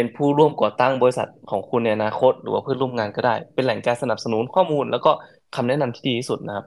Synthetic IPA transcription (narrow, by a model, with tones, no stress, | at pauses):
pe˧npʰuː˥˩ɾu˥˩əmkɔː˨˩t̪a˥˩ŋbɔː˧i˧sa̰˨˩t̪̚kʰɔː˩˦ŋkʰu˧nːa˧jʔa˧naː˧kʰo˦˥t̪̚ɾɯː˩˦aː˧pʰɯ˥˩nɾu˥˩ə˨mŋaː˧nkɔː˧˩daː˥˩jpe˧nlɛ˩˦ŋkaː˧nsa˧na˨˩p̚sa˧nuː˩˦nkʰɔː˥˩muː˧nlɛː˦˥wkɔː˥˩ | kʰa˧mnɛː˦˥˨na˧mt̪ʰi̥ː˥˩diː˧t̪ʰiː˦˥˩su˨˩t̪̚na˦kʰa˦˥p̚